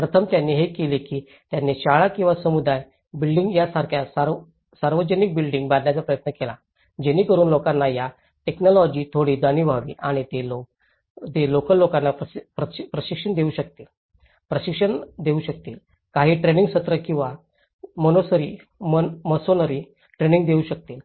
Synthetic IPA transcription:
pɾət̪ʰəmt̪janːiɦekelekiː | t̪janːeɕaɭakĩw̃ʋasəmud̪aj | bilɖiŋɡjasaɾkʰjasaɾ | saɾʋəd͡ʑənik̚bilɖiŋɡbad̪njat͡sapɾəjət̪nəkela | d͡ʑeniːkəɾuːnlokanːaja | ʈeknɔlɔd͡ʑiːt̪ʰoɽiːd͡zaniːbʱaʋḭːʔaɽ̃it̪elo | t̪elokəlːokanːaəpəpɾəɕikʂəɳd̪euːɕək̚t̪iːl | pɾəɕikʂəɳd̪euːɕək̚t̪iːl | kaɦiːʈɾenĩŋɡɕət̪ɾəkĩw̃ʋa | mənosəɾiː | mənməsonəɾiː | ʈɾeniŋɡd̪euɕək̚t̪iːl

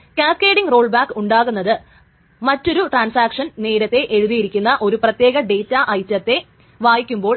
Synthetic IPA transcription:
kʲaːkːeːɽiŋro̞ːɭbaːkːuɳɖaːɣunːɐðɨ | mɐtːo̞ɾuʈraːnsaːkʂɐnne̞ːɾɐt̪ːe̞ʔe̞ɻuðijiɾikʲːunːɐʔo̞ɾuprɐt̪je̞ːɣɐɖe̞jtːɐʔɐjtːɐt̪ːe̞ | ʋaːjikʲːumbo̞ːɭ

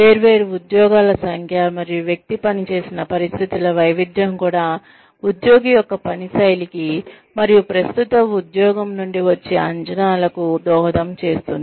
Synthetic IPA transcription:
ʋeːɾʋe̞ːɾuud̪jɔːɡaːlɐsɐŋkʰjɐmɐɾijuʋjɐk̚t̪ipɐnit͡ʃe̞ːsinɐpɐɾist̪ʰit̪ilɐʋɐjʋid̪jɐmkuːɽaː | ud̪jɔːɡijɔkːɐpɐnisɐjliki | mɐɾijupɾɐst̪ut̪ɐmud̪jɔːɡɐmnuɳɖiʋɐt͡ʃːeːɐɲt͡ʃɐnaːlɐkud̪ɔːɦɐd̪ɐmt͡ʃe̞ːst̪und̪i

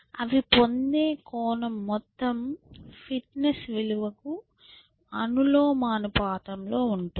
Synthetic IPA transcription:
ɐ̰ʋipo̞nd̪e̞ːkɔːnɐmːɔt̪ːɐmpʰiʈnesʋiluʋɐku | ɐnulo̞ːmaːnupaːt̪ɐmlo̞ːuɳʈu

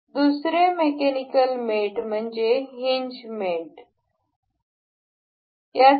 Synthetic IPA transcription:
d̪usɾemekenikəlmeʈm̤əɳd͡ʑeɦiɲd͡ʑmeʈ | ja

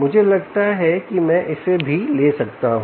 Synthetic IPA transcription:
mʊd͡ʒʱelɐɡt̪aɦɛkimɛ̃ʔɪsebʱileːsɐkt̪aɦ

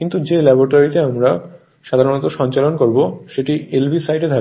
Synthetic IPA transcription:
kint̪ud͡ʑelɛboʈaɾit̪eamɾa | ʃad̪ʱaɾonɔt̪oʃɔnt͡ɕalonkoɾboʃeʈielbʱisajʈed̪ʰʱa

